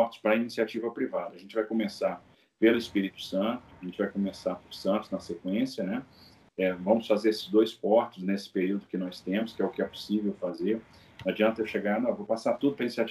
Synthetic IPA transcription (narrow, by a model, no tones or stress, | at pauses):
ɔɾt͡ʃ̪ɪ̥spɾɐinisiat͡ʃivɐpɾivad̪ɐʒẽnt͡ʃɪvajkomesaɾ | pelʊɪspiɾit̪ʊ̥sɐ̃nt̪ʊɐʒẽnt͡ʃɪvajkomesaɾpʊɾsɐ̃t̪ʊznɐsekwẽsjɐnɛ | ɛvɐ̃mʊsfazeɾesɪ̥zd̪ojspɔɾt͡ʃɪznesɪ̥peɾiwd̪ʊkɪnɔst̪ẽmʊskɪɛʊkɪɛpo̥sivewfazeɾ | ad͡ʒiɐ̃nt̪ɐewʃeɡaɾnɐ̃vowpasaɾt̪ud̪ʊpɾɐinisiat͡ʃ